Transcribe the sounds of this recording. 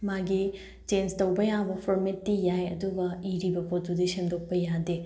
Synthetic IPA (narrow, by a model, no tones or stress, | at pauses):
maɡi | t͡ʃenstɐwbɐjabɐpʰoɾmetːijajɐ̰duɡɐiɾibɐpot̚ːudisemdok̚pɐjade